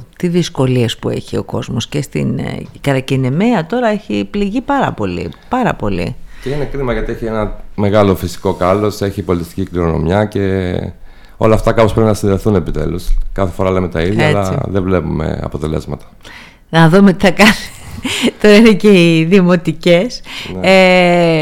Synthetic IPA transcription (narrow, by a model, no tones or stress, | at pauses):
t̪iðisko̞lie̞spue̞̰çio̞ko̞zmo̞sce̞st̪ḭnkɐɾɐcinemeɐt̪o̞ɾɐeçipliʝipɐɾɐ̰po̞lḭpɐɾɐ̰po̞lḭceine̞kɾimɐʝɐt̪ieçienɐme̞ɣɐlo̞fisi̥ko̞kɐlo̞se̞çipo̞lit̪ist̪i̥cikliɾono̞̰mjɐce̞ | o̞lɐːft̪ɐkɐpospɾepinɐsinðeθune̞pit̪e̞̰luskɐθefo̞ɾɐlɐimet̪ɐiðjɐelɐt͡sðevle̞pume̞̰ɐ̰po̞t̪e̞le̞̰zmɐt̪ɐ̥ | nɐðomet̪i̥θɐkɐnet̪o̞ɾɐineceiðimo̞t̪ice̞sne